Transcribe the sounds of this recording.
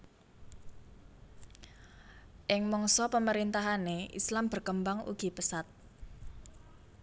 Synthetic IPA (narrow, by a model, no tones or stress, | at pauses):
ʔɪŋmɔŋsɔpəməɾint̪aɦaneʔḭslamb̥ərkəmbaŋṵɡ̥i̤pəsat̪̚